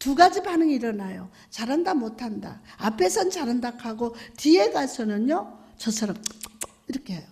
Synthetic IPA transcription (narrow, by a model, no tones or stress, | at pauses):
tuɡad͡ʑibanɯŋiɾʌnajo | t͡ɕaɾɦandamotʰanda̰apʰe̞sʰʌnt͡ɕaɾandakʰaɡotie̞ɡasʰʌnɯnjo | t͡ɕʌsʰʌɾʌm | iɾʌkʰeɦejo